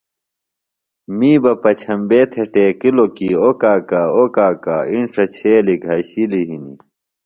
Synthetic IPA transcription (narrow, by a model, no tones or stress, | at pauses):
miːbɐpɐt͡ɕʰɐmbeːt̪ʰeʈeːkilokiokaːkaːokaːka̰ːinʂɐt͡ɕʰeːlikɐɕiliɦinḭ